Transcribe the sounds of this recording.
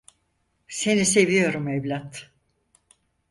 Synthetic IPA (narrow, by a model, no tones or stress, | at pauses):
se̞nise̞vijo̞ɾumevlʲat̪